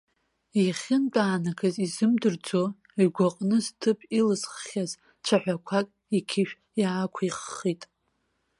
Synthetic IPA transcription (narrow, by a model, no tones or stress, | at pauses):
iχʲɪnt͡pʼaːnakʰazizɨmdɨrd͡zo | iɡʷaqʼnɨztʰɨpʰʼilɨzχːʲaz | t͡ʃʷʰaħʷᶣakʷʰakʼ | ikʲʰɪʃᶣ | jaːkʷʰiχːitʼ